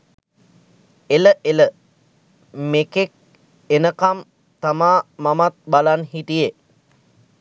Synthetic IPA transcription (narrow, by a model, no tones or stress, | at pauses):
eləʔelə | mekek̚ | enəkam | t̪amaːmamat̪̚balanɦit̪ije